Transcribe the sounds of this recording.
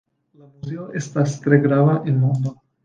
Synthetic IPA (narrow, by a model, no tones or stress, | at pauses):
lamuzeoʔest̪ast̪ɾeɡɾaβaʔenmũnd̪o